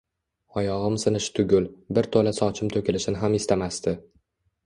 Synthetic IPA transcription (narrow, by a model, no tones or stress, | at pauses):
ɒjɒʁɨmsɨnɪʃɪ̥t̪ʰʊɡʲʊlbɪɾt̪ʰolasɒt͡ʃʰɪmt̪ʰɵkʲʰɪlɪʃɪnɪɦamest̪amast̪ɪ